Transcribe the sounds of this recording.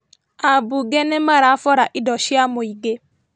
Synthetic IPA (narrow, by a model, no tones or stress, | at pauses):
abuɡɛnɛmaɾafɔɾaʔɪdɔʃiamoiɡe